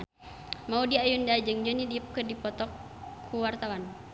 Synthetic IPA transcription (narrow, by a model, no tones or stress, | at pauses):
maudiajundad͡ʒəŋd͡ʒunidiəp̚kərdipɔt̪ɔkʰː | uwart̪awan